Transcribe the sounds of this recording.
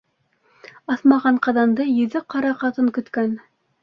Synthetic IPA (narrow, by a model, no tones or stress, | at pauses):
ɑθmɑʁɑɴqɑðɑnd̪ɤjɵ̆ðɘqɑɾɑqɑt̪ɤŋkɵ̆t̪kæn